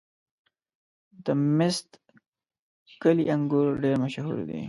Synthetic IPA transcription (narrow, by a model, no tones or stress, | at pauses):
d̪əmɪst̪ | kəlḭʔaŋɡuɾɖeɾmaʃɦṵɾd̪ḭ